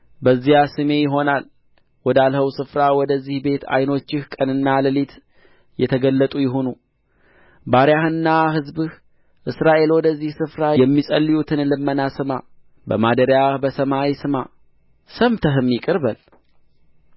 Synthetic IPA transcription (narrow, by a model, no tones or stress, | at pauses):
bəzːijasɨme̞jɪɦo̞nal | wɔd̪alhəwsɨfɾawɔd̪əzːihbe̞t̪a̰jno̞t͡ʃːɪhkʼənɨnːaləlit̪ | jɛt̪ʰəɡəlːət̪ʼujɪɦo̞nu | baɾjahɨnːaɦɨzbɨh | ʔɨsɾaʔe̞lwɔd̪əzːihsɨfɾajɛmːisʼəlːijut̪ʰɨnlɨmːənasɨma | bə̰mad̪əɾjahbəsəmawjsɨma̰ | səmt̪ʰəɦɨmːikʼɨɾbəl